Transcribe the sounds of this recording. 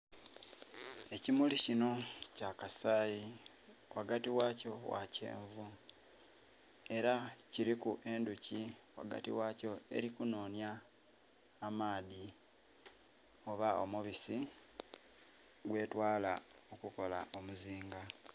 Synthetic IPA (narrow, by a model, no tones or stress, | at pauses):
e̞cimulicino̞cakasaːji | wʔaɡatiwaco̞wa̰ce̞̰ːɱvu | e̞ɾaciɾikuʔe̞nduciwa̰ɡa̰tḭwaːco̞e̞̰ɾikuno̞ːnjaː | maːði | o̞βao̞̰muβisi | ɡwe̞ːtwaːlao̞kuko̞la̰ʔo̞muziːŋɡa